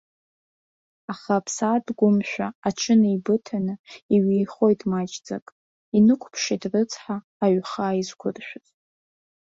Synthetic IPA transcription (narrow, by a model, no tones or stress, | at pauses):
aχapʰsadɡʷʊmʃʷᶣaaʈ͡ʂʰɨnɨibɨtʰanɨiɥiχo̞jtʼmad͡ʒd͡za̰kʼ | inɨkʷʰpʰʂitʼrɨt͡sʰʼħaːɥχaːizkʷʰʊrʃʷᶣazʼ